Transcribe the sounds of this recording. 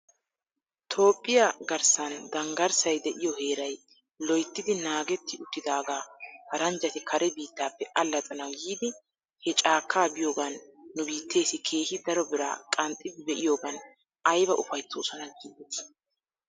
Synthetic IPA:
t̪ʰo̞ːpʼːɪjɐɡɐɾsɐnd̪ɐŋɡɐɾsɐjd̪ɛʔɪjɔheːɾɐj | lɔjt̪ːɪd̪ɪnaːɡɛt̪ːɪʊt̪ːɪd̪aːɡaːkɐɾɐnd͡ʒɐt̪ɪkʰɐɾʔɛbiːt̪ːaːpːɛʔɐlːɐt͡sʼɐnɐwɡiːd̪ɪ | hɛt͡ʃʼaːkʰːaːbɪjo̞ːɡɐnːʊbiːt̪ʰːe̞ːsɪkʰe̞ːhɪd̪ɐɾɔbɪɾa̰ːkʼɐnt̪ʼːɪbbɛʔɪjo̞ːɡɐn | ɐjbɐʔʊfɐjt͡sːo̰ːsɔnɐɡiːd̪es

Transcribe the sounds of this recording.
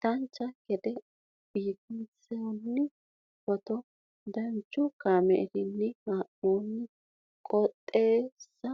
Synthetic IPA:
t̪ɐnt͡ʃːɐɡɛd̪ɛ | b̥iːt̪ɪnt͡sɛnːɪ | pɔt̪ɔ | d̪ɐnt͡ʃːʊkaːmɛ̰ɾɪnːɪmaʔoːnːɪ | kʼɔt̪ʼːe̞ːsːɐ

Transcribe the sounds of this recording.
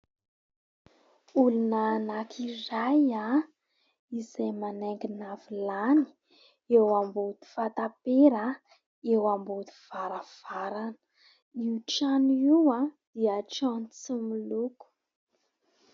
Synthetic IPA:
ulunaːnakʰiraja | izajmaneŋɡinavilani̥ | ewambud̪̥i̥fat̪apeɾa | ewambud̪i̥v̥aɾav̥aɾanə̥ | iuʈ͡ʂaniwad̪̥iəʈ͡ʂant͡sumuluku̥

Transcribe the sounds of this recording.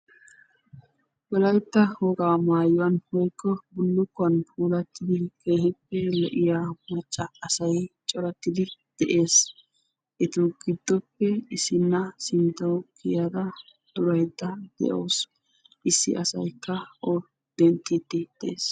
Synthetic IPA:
wɔlɐjt̪ːɐhɔɡaːmaːjɔwɐnhɔjkːɔbʊlːʊkːɔɐnpʰuːlɐt̪ːɪd̪ɪkʰejhɪpːɛlɛʔɪjaːmɐt͡ʃʼːɐːsɐjt͡ʃʼɔɾɐt̪ːɪd̪ɪd̪̥ɛʔe̞ːs | ʔɪt̪ʊɡɪd̪ːɔpːɛɪsɪnːɐsɪnt̪ɐwkʰɪjad̪ɐ | d̪̥ʊɾɐjt̪ːɐd̪̥ɛ̰ʔoːs | ʔɪsːɪ̰ʔɐsɐ̰jkːɐʔɔ | d̪̥ɛnt̪ʼːit̪ːɪd̪̥ɛḛːs

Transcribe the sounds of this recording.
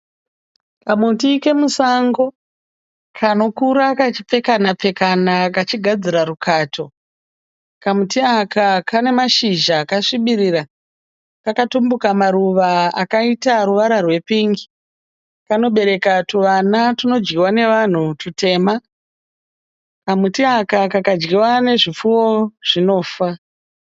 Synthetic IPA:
kamutike̞musaŋɡo̞ | kʰano̞kuɾakat͡ʃi̥p͡fe̞kanap͡fe̞kanakat͡ʃiɡʱad͡ziɾaɾukʰaːtʰo̞ | kamutiakakʰane̞maʃiʒakaʂiɓiɾira | kakatumbukamaɾuʋaakaitaɾuʋaɾarwe̞piŋɡi | kano̞ɓe̞ɾe̞katuʋanatino̞d͡ʒɡiwane̞ʋan̤utute̞ːma | kamutiakakakad͡ʒɡiwane̞ʐifuo̞ʐ̥ino̞ːfa

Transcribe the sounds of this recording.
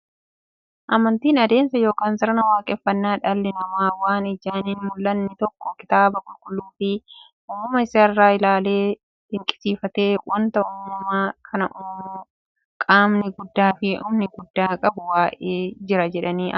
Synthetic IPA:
ʔɐmɐnt̪iːnɐd̪e̞ːnsɐjo̞ːkaːnsɐɾɐnɐwaːkʼɛfːɐnːaːᶑɐlːɛnɐmaːwaːnɪd͡ʒaːninmʊlːɐnːɪt̪ɔkːɔkɪ̥t̪aːbɐkʼʊlkʼʊlːuːfɪ | ʔʊːmʊmɐɪsɐɐrːaːɪlaːle̞ː | d̪̥ɪŋkʼɪ̥siːfɐt̪e̞ːwɐnt̪ɐuːmɐmaːkʰɐnɐʔuː | kʼaːmnɪɡʊd̪ːaːfɪʔʊːmnɪɡʊd̪ːaːkʼɐbʊwaːʔeːd͡ʒɪɾɐd͡ʒɛᶑɐniːʔɐ

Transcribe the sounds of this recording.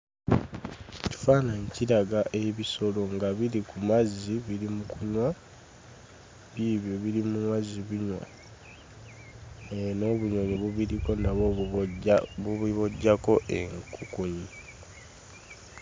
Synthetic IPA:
tu̥faːnaɲciɾaɡaʔe̞βiso̞lo̞ŋɡaβiɾikumaziβiɾimukuɲwa | βiβjo̞βiɾimunwaziβiɲwa̰ | eno̞βuɲoɲiβuβiɾiko̞naβo | βuβiβoɟːako̞ʔeŋkukuɲi

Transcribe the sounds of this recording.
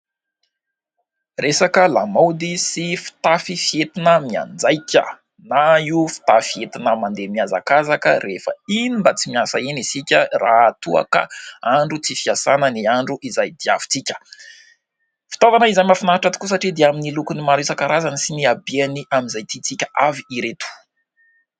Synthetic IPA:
resakəlamawd̪isifi̥t̪afifiet̪inəmia̰nd͡zajkʲə̰ | naiufi̥t̪afiet̪inəmand̪emiaza̰kazakəɾefə̰inimbət͡simiasainisikʲəraat̪ua̰kə̰aɳɖ͡ʐut͡sifiasanəniaɳɖ͡ʐuʔizajd̪ia̰vi̥t͡sikʲə̥ | fi̥t̪avanəizajmafinaaʈ͡ʂat̪i̥kusaʈ͡ʂid̪eaminilukunimaɾisakaɾazanisiniabianiʔamizajt̪it͡sikʲəʔaviiɾet̪u̥

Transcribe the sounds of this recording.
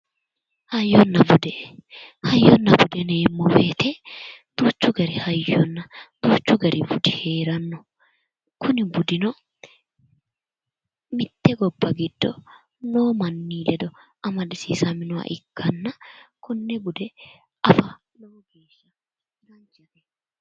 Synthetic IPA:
hɐjːɔnːɐbʊd̪ɛ | hɐjːɔnːɐbʊd̪ɛneːmːɔfeːt̪ɛd̪̥uːt͡ʃːʊɡɐɾɪhɐjːɔnːɐd̪̥uːt͡ʃːʊɡɐɾɪbʊd̪ɪhe̞ːɾɐnːɔ | kʊnɪbʊd̪ɪnɔ | mɪt̪ːɛɡɔbːɐɡɪd̪̥ːɔ | noːmɐnːiːlɛd̪ɔʔɐmɐd̪ɪsiːsɐmɪnʊwɐ̰ʔɪkːɐnːɐkʊnːɛbʊd̪ɛ | ɐfɐ | noːɡeːʃːɐ | ɪɾɐnd͡ʒɛɛ

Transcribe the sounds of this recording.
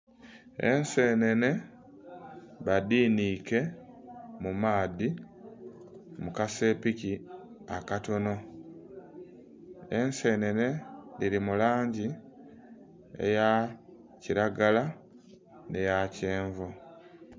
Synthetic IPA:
e̞nse̞ːne̞ne̞ | βadiːniːke̞ | mumaːði | mukase̞ːpici | akato̞no̞ | e̞nse̞ːne̞ne̞liɾimulaːɲɟi | e̞̰ja | ciɾaɡala | ne̞jaceːɱvo

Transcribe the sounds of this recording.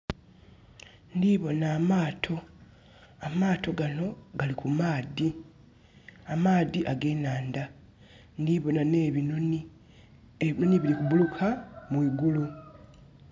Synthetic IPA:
ndiβo̞naːmaːtʰo̞ | amaːtʰo̞ɡano̞ɡalikumaːði | amaːðiʔaɡe̞ːnaːnda | ndiβo̞naneβino | eβino̞nieβilikuβulukʰamwiːɡulu

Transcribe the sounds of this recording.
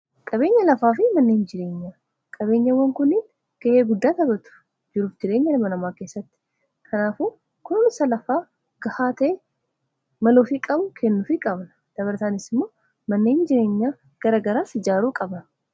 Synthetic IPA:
kʼɐbe̞ːɲːɐlɐfaːfɪmɐnːeːnd͡ʒɪɾe̞ːɲːaː | kʼɐβe̞ːɲːɐwːɐŋkʊnːɪn | ɡ̥ɐeːɡʊd̪ːaːt̪ɐbɐt̪ʊ̥ | d͡ʒɪɾuːfd͡ʒɪɾe̞ːɲːɐlɐmɐnɐmaːke̞ːsːɐt̪ːɪ̥ | kʰɐnaːfuː | kʊnnɪsɐlɐfaː | ɡ̥ɐhaːt̪eː | mɐloːfikʼɐbʊkʰɛnːʊfikʼɐbnɐ̥ | d̪̥ɐβɐɾt̪aːnɪsɪmːo̞ː | mɐnːe̞ːnd͡ʒɪɾe̞ːɲːaː | ɡ̥ɐɾaːɡɐɾaːsɪd͡ʒaːɾuːkʼɐbnɐ

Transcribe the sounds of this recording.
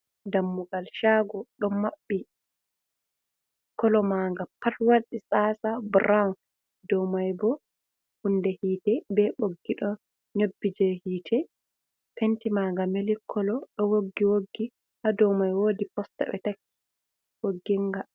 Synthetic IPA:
damːuɡalʃaɡɔɗɔmmːaɓːi | kɔlɔmaŋɡapːatwaɗːisaːsabɾawn | dɔwmajbɔ | hundɛhiːtɛbɛɓoɡːiɗɔ | ɲobːid͡ʒɛhiːtʰɛ | pentimaŋɡamelikʰːɔlɔɗɔwoɡːiwoɡːi | hadɔwmajwoːdipɔsta̰ɓɛ̰takːi̥ | ʔoɡːiŋɡa

